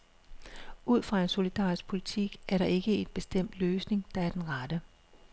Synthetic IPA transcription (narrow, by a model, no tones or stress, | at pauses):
uð̞̰ˠfʁɑ̈e̝nso̝lid̥ɑ̰̈ːisɡ̥̚pʰo̝lit͡sʰiɡ̥æɐɾɑ̈ʔe̝ɡ̥əe̝n̥b̥e̝sd̥em̰d̥løːsne̝ŋd̥ɑ̈æɐd̥enʁɑd̥ə